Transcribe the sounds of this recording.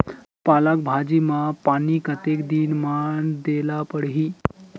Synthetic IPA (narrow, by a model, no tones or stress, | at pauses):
palak̚bʱad͡ʑimapanikət̪ekd̪inmaɳd̪elapəɽɦi